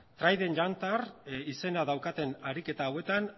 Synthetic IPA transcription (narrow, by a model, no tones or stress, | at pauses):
t̪ɾajðe̞nʎant̪arise̞naðawkat̪e̞naɾike̞t̪aːwe̞t̪an